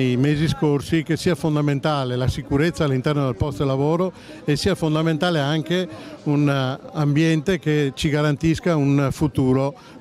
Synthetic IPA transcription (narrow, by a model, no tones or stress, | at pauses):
jmeːziskorsikesiːafond̪ament̪aːlelasikuɾet̪sːalːint̪ɛrnod̪elpɔst̪elːavoːɾo | esiːafond̪ament̪aːleaŋkeunambjɛnt̪eket͡ʃiɡaɾant̪iskaunfut̪uːɾo